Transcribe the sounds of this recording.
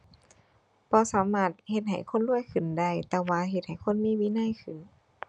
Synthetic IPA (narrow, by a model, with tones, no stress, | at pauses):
pʰɔː˧˦saː˨˦maː˧˩t̪̚he˧t̪̚ɦa˨˩jkʰo˧˥˨nlu˧˥˩əjkʰɯ˨˩nda˧˥˩jt̪ɛː˧waː˧ɦe˧t̪̚ha˨˩jkʰo˧˥˨nmiː˧˥˨miː˧˥˨na˧˥˨jkʰɯ˨˩n